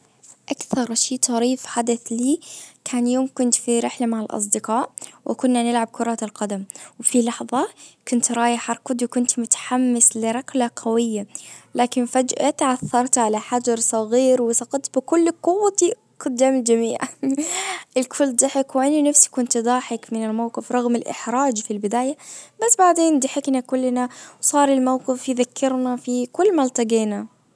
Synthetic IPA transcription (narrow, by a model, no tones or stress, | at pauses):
ʔakθɑɾˤʃiːt̪ˤɑɾiːfħad̪aθliːkʰaːnjoːmkʊnt̪fiɾɪħlamaʕɪlʔɑ̰s̬ˤd̪ɪqɑːʔwʔɪ̰kʊnːanɪlʕab̚kʰʊɾˤɑːt̪ɪlqɑd̪amwfilɑħðˤɑkʊnt̪ɾˤɑːjɪħɑɾˤkʊd̪iwkʊnt̪mʊt̪ḁħamːɪslɪɾˤɑklaqʰawɪjːalaːkɪnfad͡ʒʔat̪ʕaθːɑɾˤt̪ʕalaħad͡ʒɑɾˤsˤɑɣiːɾwɪsˤɑqɑt̪̚ˤt̪bɪkʊlːqʊwːat̪i | kʊd̪̚d̪ːaːmɪld͡ʒamiːʕ | ʔɪlkʰʊlːd̪ˤɪħɪkwʔɪnnafsi̥kʊnt̪d̪ˤɑːħɪkmɪnɪlmawqɪfɾˤɑɣmɪlʔɪ̰ħɾˤɑːd͡ʒfilbɪd̪aːjabasːbaʕd̪eːnd̪ɪħɪknakʊlːnawsˤɑːɾˤɪlmawqɪfjɪðakʰːɪɾnafikʊlːmalt̪ɑɡiːna